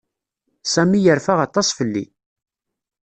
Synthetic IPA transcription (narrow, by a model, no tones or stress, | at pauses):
sæmijəɾfaʁɑt̪ˤːɑsˤfəlːḭ